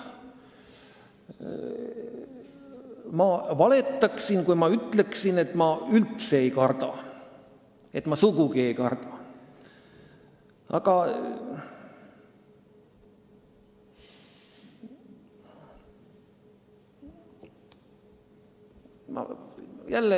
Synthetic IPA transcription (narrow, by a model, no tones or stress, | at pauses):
mɑvɑle̞t̪ːˑɑksinkujmɑyt̪ːˑle̞ksine̞t̪ːˑmɑylt̪se̞ejkɑrd̪ɑ | e̞t̪mɑsukukie̞jkɑrd̪̥ɑ | ɑ̰ɡ̥ɑ | mɑ̰jælːe